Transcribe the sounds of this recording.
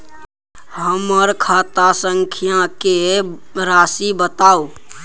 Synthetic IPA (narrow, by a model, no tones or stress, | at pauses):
ɦəməɾkʰat̪asəŋkʰijãkeɾasibət̪au